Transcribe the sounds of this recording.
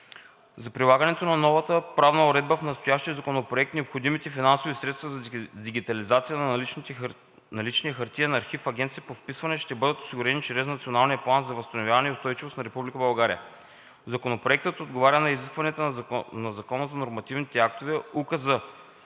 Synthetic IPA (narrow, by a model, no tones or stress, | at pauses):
zɐpɾilˠaɡɐnɛt̪onɐnɔvət̪əpɾavnəoɾɛd̪̚bəfnɐt̪st̪ojaʃt̪iəzɐkonopɾoɛk̚t̪nɛopxod̪imit̪ɛfinansovisɾɛt̪st̪vɐzɐd̪iɡʲit̪ɐlizat̪sijənɐ | nɐlit͡ʃniəxɐɾt̪iənɐːɾxifɐɡʲɛnt̪sijəpofpisvɐnɛʃt̪ɛbɤd̪ət̪o̥siɡʊɾɛnit͡ʃɾɛsnɐt̪sionalˠnijəplˠanzɐvəst̪ɐnovʲjavɐnɛiʊst̪ɔjt͡ʃivosnɐɾɛpublʲikəbɐlˠɡaɾiə̰ | zɐkonopɾoɛk̚t̪ət̪od̪̚ɡovaɾʲənɐiziskvɐnɛt̪ənɐzɐkɔnəzɐnoɾmɐt̪ivnit̪ɛak̚t̪ovɛukəzə